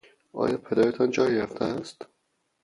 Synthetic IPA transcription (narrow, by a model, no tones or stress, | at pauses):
ʔɒ̰ːjɒːpʰed̪ɒːɾet̪ʰɒnd͡ʒɒːjɾæft̪ʰææst̪